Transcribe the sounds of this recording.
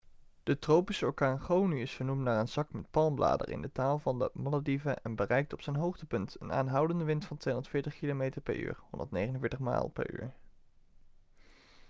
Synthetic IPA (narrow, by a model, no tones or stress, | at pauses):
d̥ətrowpisəɔɹkaːnχownyɪsfəɹnumtnaːɹənzɑkmɛtpɑlˠmbla̰ːdə̰rɪ̰ndətaːlˠvɑndə̰mɑladivəʔɛnbərɛjk̚tɔpsɛjnɦowχtəpɵntə̰na̰ːnɦʌwdəndəʋɪntfɑntʋejɔ̃ndətfɪːɹtəχkilomejtəɹpɛ̰ɹy̰ːɹhɔndə̰ɹtnejχənənvɪːɹtəχma̰ːlˠpɛ̰ɹy̰ːɹ